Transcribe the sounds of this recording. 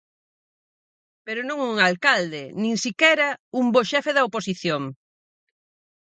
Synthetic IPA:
peɾonõŋuŋalkald̪enĩŋsikɛɾɐumboʃɛfeðɐoposiθjoŋ

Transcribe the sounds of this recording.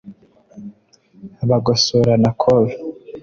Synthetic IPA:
aβaɡosoɾanakʰoβi

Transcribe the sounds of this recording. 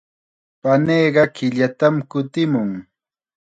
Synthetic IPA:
paneːɢɑkɪʎat̪amkʊt̪ɪmʊŋ

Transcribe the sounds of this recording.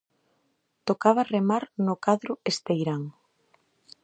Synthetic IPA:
t̪okaβaremaɾnʊkaðɾʊest̪ejɾaŋ

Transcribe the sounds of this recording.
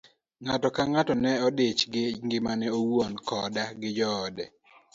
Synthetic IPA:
ŋatɔkaŋatɔnɛɔdet͡ʃɡɪŋɡɪmanɛowwonkɔdaɡɪd͡ʒɔːdɛ

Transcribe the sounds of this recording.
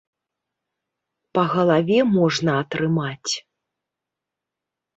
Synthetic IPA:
pɐɣɐlˠavʲɛmɔʐnɐːt̪ɾɨmat͡sʲ

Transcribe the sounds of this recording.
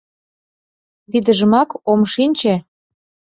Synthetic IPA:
βid̪ə̆ʒəmɑkomʃinʲt͡ɕĕ

